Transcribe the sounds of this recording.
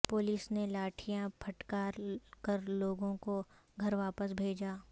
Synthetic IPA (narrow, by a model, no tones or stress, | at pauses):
pʊːlɪsnelaːʈʰijãpʰɐʈkaːɾkɐɾloːɡõko | ɡʱɐɾʋaːpəsbʱeːd͡ʒaː